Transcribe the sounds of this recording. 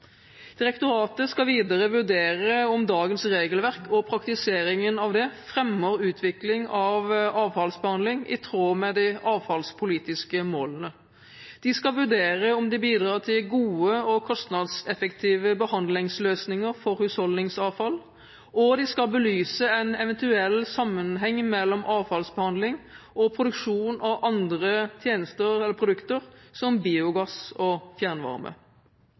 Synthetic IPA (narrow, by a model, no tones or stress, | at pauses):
d̪̥ɪʁɛkt̪ʊɾɑːt̪əskɑʋiːd̪ɑʁəʋʉʁd̪eːʁəɔmd̪ɑːɡənsʁeːɡəlʋæʁkɔpʰɾɑkt̪ɪseːɾɪŋənɑʋd̪ɛfʁɛmːəʁʉːt̪ʰʋɪklɪŋɑʋɑːʋfɑlsbəhɑnd̪lɪŋɪ̰t̪ʰʁoːmɛd̪ɪʔɑːʋfɑlspʰʊliːt̪ɪskəmoːlənə | d̪̥ɪskɑʋʉʁd̪eːʁəɔmd̪ɛbiːd̪ʁɑːt̪ʰɪlɡuːəɔkʰɔst̪nɑd̪sɛfəkt̪ʰiːʋəbəhɑnd̪lɪŋsløːsnɪŋəʁfɔɾhʉshɔlnɪŋsɑːʋfɑl | ɔd̪ɪskɑlbəlyːsəɛnɛʋɛnt̪ʉɛlːsɑmːənɦɛŋːmɛlːɔmʔɑːʋfɑlsbəhɑnd̪lɪŋɔpʰɾʊd̪ʉkʂuːnɑʋʔɑnd̪ʁət̪ʰjeːnəst̪əʁɛlːəɾpʰʁʊd̪ʉkt̪əʁsɔmbiːʊɡɑsɔfjæʁnʋɑ̰ʁmə̰